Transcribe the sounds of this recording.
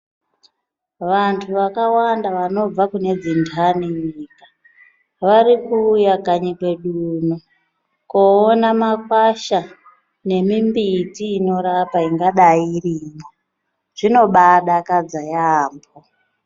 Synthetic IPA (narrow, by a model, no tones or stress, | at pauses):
ʋantʰuʋakawandaʋano̞b͡vakune̞d͡zindʰaniɲiːka | ʋaɾikuːjakaɲikwe̞ɗuːno | koːnamakwaʃa | ne̞mimbitiːno̞ɾapaiŋɡaɗairiːmo | ʐ̥ino̞ɓaɗakad͡zajaːmbo